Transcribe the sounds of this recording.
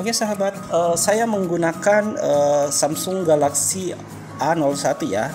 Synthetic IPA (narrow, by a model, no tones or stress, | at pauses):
akesaɦabat̪̚əsajaməŋɡunakanəsamsʊŋɡalaksi | ʔanɔlsat̪uja